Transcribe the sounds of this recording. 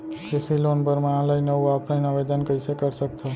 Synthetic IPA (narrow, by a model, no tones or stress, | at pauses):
kesiloːnbəɾməjãləinəaːpnainaʋed̪ənkəɪsekəɾsək̚t̪ʰa